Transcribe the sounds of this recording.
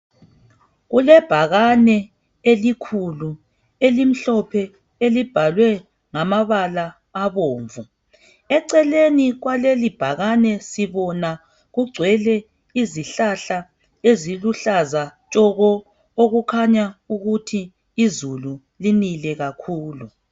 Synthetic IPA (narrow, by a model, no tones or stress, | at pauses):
ɣulɛb̥ʱaɣanɛ | elikʰulu | elim̩ɬɔpʰɛ | elib̥ʱalwɛ | ŋamaβalaː | βoːɱvu | ɛǀɛleniɣwalelib̥ʱaɣanɛsiβɔna | ɣuɡ͡ǀʱwɛlɛ | iziɬaɬa | eziluɬazat͡ʃʼɔɣɔ | oɣukʰaɲauɣutʰiː | zulu | linilɛɣakʰuːlu